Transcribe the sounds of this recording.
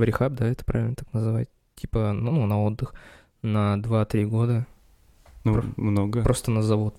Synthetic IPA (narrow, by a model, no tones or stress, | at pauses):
vɾʲɪxab̚d̪aɛt̪ə̥pɾʔavʲɪlnət̪aknəzɨvatʲ | tʲipənnunɐo̞d̪ːɨx | nɐd̪vat̪ɾʲiɡo̞d̪ə | nmnoɡəpɾo̞st̪ənəzɐvot̪